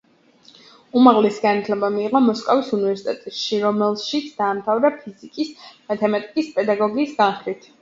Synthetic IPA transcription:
umaʁlɛsiɡanat̪ʰlɛbamiːʁɔmɔskʼɔvisunivɛɾsit̪ʼɛt̪ʼɛʃiɾɔmɛlˠʃit̪sʰd̪̥aːmt̪ʰavɾapʰizikʼismat̪ʰɛmat̪ʼikʼispʼɛd̪aɡɔɡiːsɡanχɾit̪ʰ

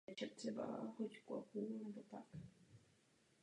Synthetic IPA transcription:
t͡ʃat̪sɛba̰hockʊapuːnɛbot̪ak

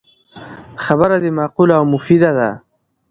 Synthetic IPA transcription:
xabaɾad̪emaːqulawmʊfid̪ad̪a

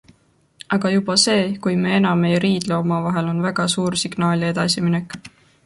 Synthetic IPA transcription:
ɑɡ̥ɑjubɑse̞ːkujmee̞nɑmːejɾiːd̪̥leomɑvɑɦelo̞nvæɡ̥ɑsuːɾsiɡ̥nɑːlʲe̞d̪̥ɑsiminekˑ

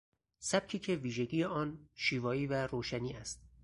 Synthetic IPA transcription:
sæb̥̚cʰiːcʰe̞viːʒe̞ɟiːjeʔɒːnʃiːvɒːiːvæɾoːʃæniːæst̪̚

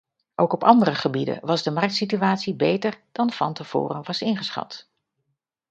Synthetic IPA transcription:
ʔowkɔpɑndərəχəbidə̰nʋɑzdəmɑrk̚tsityaːtsibejtəɹd̥ɑnv̥ɑ̰ntəv̥ʊ̰ːrənʋɑsɪnχəsχɑ̰t

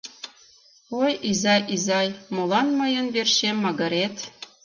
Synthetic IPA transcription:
ojizɑjʔizɑjmolɑnmɤjə̆nβerʃemːɑɣɤ̆ɾet̪

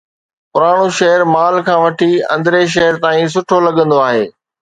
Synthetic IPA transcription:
pʊɾaːɽ̃uʃɐɦəɾmaːlkʰãːʋɐʈʰiɐ̰̃nd̪ɾeʃ̬ɐɦəɾt̪aːĩs̬ʊʈʰolɐɠə̃nd̪oaːɦeː

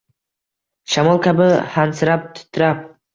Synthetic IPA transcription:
ʃamɒlˠkʲʰabɪhansɪɾap̚t̪ʰʊ̥t̪ʰːɪɾap̚

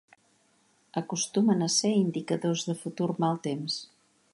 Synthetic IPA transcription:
əkust̪umənəseind̪ikəðozðəfut̪urmalˠt̪ems

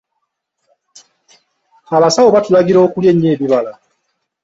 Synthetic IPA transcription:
aβasawoβatulaɡiɾo̞ːkulje̞ɲːe̞ːβiβala

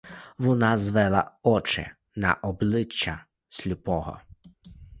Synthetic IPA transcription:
ʋɔnɑzʋɛlˠɐ̰ɔt͡ʃɪ̰ | nɐ̰ʔɔblˠɪt͡ʃːɐ | sʲlʲupɔɦɔ̰

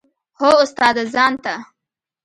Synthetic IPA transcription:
hoʊst̪ɑːd̪azɑːnt̪a

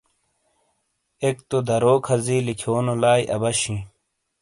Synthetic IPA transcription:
ekt̪od̪ɐɾoːkʰɐziːlikʰoːnolaːjʔɐ̰bɐɕĩ

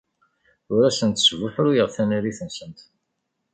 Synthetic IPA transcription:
ʊɾæsənt̪svʊħɾujəʁθæniɾiθənsənt̪

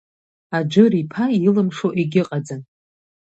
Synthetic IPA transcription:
ad͡ʒʷɨripʰailɨmʂoʔeɡʲɪqʼad͡zɨn

